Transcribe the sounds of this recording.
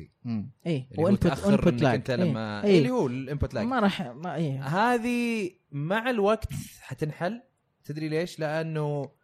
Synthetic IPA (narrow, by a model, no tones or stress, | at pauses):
mʔiːwɪmpʊʔaɪmɾpʊnːlaɪnt̪aliːmːaʔiːlːihuːɪlʔɪmpʊt̪ːla̰jmaɾˤɑːħaʔiːɦaːði | maʕɪlwaɡt̪hat̪ɪnħal | t̪ɪd̪ɾileːʃlɪʔanːu